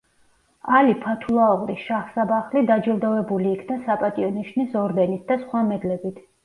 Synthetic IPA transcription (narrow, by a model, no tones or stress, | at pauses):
alipʰat̪ʰulˠaɔʁliʃahsabaχlid̪ad͡ʒɛlˠd̪avɛbuliːkʰnasapʼat̪ʼiɔniʃnisɔɾd̪ɛnis̚ʰd̪asχwamɛd̪lɛbit̪ʰ